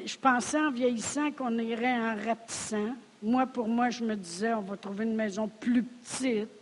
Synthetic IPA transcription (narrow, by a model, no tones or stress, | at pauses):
ʒəpɑ̃ːsɛɑ̃vjɛjisãkɔ̃niʁɛɛ̃ʁap̚t̪i̥sã | mwapuʁmwaʒəməd̪izɛɔ̃vat̪ʁuveynmɛːzɔ̃plypə̥t̪ɪt̪̚